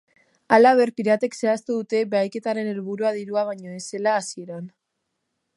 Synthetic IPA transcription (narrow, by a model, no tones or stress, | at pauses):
alaβ̞e̞ɾpiɾat̪e̞kse̞ast̪uðut̪e̞βe̞ajke̞t̪aɾe̞ne̞lβuɾuaðiɾuaβ̞aɲo̞e̞se̞laːsie̞ɾan